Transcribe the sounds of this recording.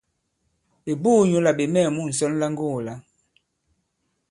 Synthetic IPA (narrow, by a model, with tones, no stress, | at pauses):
e˨buː˦˨ɲu˦la˨ɓe˨mɛ˦˨mu˦˨n̩˨sɔ˦n˦la˦ŋ˦ɡo˦˨la˨˦